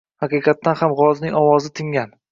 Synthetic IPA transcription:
hɑqɨqʰɑt̪ːanhamʁɒznɪŋʲɒwɒzɪt̪ʰɪŋɡʲan

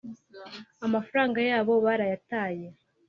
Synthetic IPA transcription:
amafaɾaːŋɡajaːβo̞βaɾajataːje̞

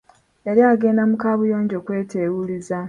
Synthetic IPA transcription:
e̞ɾjaːɡe̞ːndamukaːβujo̞ːɲɟo̞ːkwe̞ːtewuliza

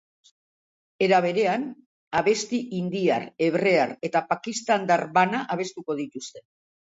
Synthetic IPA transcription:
e̞ɾaβ̞e̞ɾe̞an | aβe̞st̪iʔind̪iaɾe̞βre̞aɾe̞t̪apakist̪and̪aɾβanaʔaβ̞e̞st̪uko̞ð̞it̪ust̪e̞

